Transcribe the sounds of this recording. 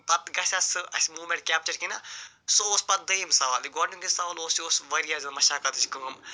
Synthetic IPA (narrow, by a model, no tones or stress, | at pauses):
pɐt̪ɡɐsʲɐsɨɐ̰sʲmuːmʲẽɳʈ̚kʲaːp̚t͡ʃɐɾkinɐ | sooːspɐt̪̚d̪ɐjimsɐʋaːliɡoːɳuŋɡisɐʋaloːsioːsʋɐɾijazɨmɐʃaːkɐt̪ɨt͡ʃkɐːm